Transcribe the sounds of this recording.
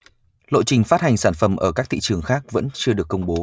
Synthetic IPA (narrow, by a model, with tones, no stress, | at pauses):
lo̰˧˨jt͡ɕï˨˩ŋ̟faː˦˥t̚ha˨˩ŋsaː˧˩nfə˧˩mʔəː˧˩kaː˦˥k̚t̪ʰḭ˧˨t͡ɕɨ˨˩əŋxaː˦˥k̚və̰˧˥nt͡ɕɨ˧əɗɨ˨˩əkːə˧wŋ͡mɓo˨˦